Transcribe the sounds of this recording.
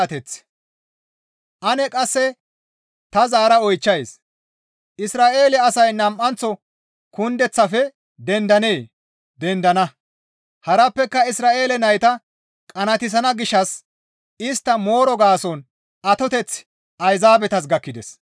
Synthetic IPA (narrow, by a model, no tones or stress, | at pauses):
t̪ɛt͡s | ʔɐnɛkʼɐsːɛ | t̪ɐzaːɾɐɔjt͡ʃːɐjs | ʔɪsɾaːʔe̞ːlɛɐsɐjnɐmʔɐnt͡sːɔ | kʊnd̪ɛt͡sːɐfɛ | d̪ɛnd̪ɐneː | d̪ɛnd̪ɐnɐ | hɐɾɐpːɛkːɐɪsɾaːʔe̞ːlɛnɐjt̪ɐ | kʼɐnɐt̪ɪs̬ɐnɐɡɪʃːɐs | ɪst̪ːɐmo̞ːɾɔɡaːsɔn | ʔɐt̪ɔt̪ɛt͡s | ʔɐjzaːbɛt̪ɐs̬ɡɐkːɪd̪ɛs